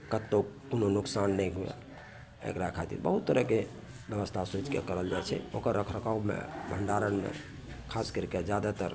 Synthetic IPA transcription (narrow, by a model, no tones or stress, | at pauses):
kət̪ːokononuksanːəjɦuḛ | ḛkɾakʰat̪ḭɾbəɦut̪ːəɾəke | bjəʋəst̪ʰasut͡ʃkḛkəɾəld͡ʒajt͡ʃʰɛ̰okəɾːəkʰɾəkamḛbʱəɳɖaɾənmḛ | kʰaskəɾiked͡ʒad̪at̪əɾ